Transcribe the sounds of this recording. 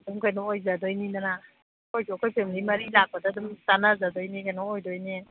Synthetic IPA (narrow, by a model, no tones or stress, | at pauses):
dumkajnɔojzadojninana | kojkoɔkʰojpʰemilimɐɾilak̚padaːdumsanazadojnikajnɔojdɔjne